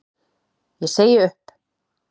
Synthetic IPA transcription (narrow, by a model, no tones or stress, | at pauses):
jɛseːjɪʏhp